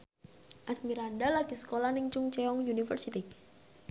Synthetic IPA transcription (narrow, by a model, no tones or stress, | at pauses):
ʔasmiɾandalaɡisə̥kolanɪŋt͡ʃuŋt͡ʃɛɔŋjunifə̰rsit̪i